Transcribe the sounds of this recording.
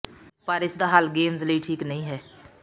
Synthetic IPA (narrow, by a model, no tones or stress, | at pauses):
pəɾɪsd̪aːɦaːlɡeːmzləiːʈʰiːknəɦĩːɦɛː